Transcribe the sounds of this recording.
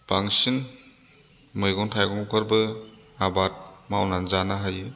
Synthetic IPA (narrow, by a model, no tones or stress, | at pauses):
b̥aŋsiŋ | mɯjɡɔŋntʰajɡɔŋkʰɔɾbɯ | abat̚mawnanzanaɦajɯ